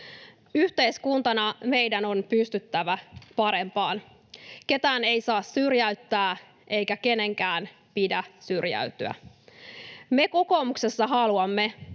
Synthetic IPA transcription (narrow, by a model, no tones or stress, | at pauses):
yht̪e̞jskunt̪ɑnɑme̞jdæno̞npyst̪yt̪ːæʋæpɑɾe̞mpɑːn | ke̞t̪æːne̞jsɑːsːyrjæyt̪ːæː | ʔe̞jkæke̞ne̞ŋkæːn | pidæsyrjæ̰yt̪yæ̰ | me̞ko̞ko̞ːmukse̞sːɑɦɑluɑmːe̞